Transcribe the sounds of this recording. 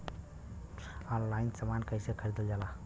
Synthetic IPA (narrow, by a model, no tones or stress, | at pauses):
ɔnlainsamankəjsekʰəɾid̪eld͡ʒala